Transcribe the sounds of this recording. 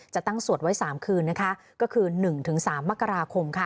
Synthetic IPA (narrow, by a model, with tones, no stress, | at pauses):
t͡ɕa˨˩t̪a˥˩ŋsu˨˩ət̪̚wa˦˥jsaː˩˦mkʰɯː˧nːa˦˥kʰa˦˥ | kɔː˥˩kʰɯː˧nɯ˨˩ŋt̪ʰɯ˩˦ŋsaː˩˦mːa˦˥kːa˧ɾaː˧kʰo˧mkʰa˥˩